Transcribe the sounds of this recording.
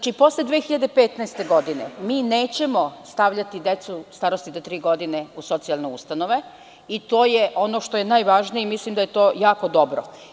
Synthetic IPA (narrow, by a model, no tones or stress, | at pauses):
t͡ʃipo̞sled̪ʋeːxiʎad̪e̞pet̪naest̪e̞ɡo̞d̪inḛmiːne̞ːt͡ɕe̞mo̞st̪aʋʎat̪id̪e̞t̪sust̪aɾost̪id̪at̪ɾiːɡo̞d̪ine̞uso̞t̪sialˠneṵst̪ano̞ʋe̞ | it̪o̞ːjeʔo̞no̞ʃt̪o̞je̞naːjʋaːʒnijeimislimd̪aje̞t̪o̞ːjaːko̞d̪o̞bɾo̰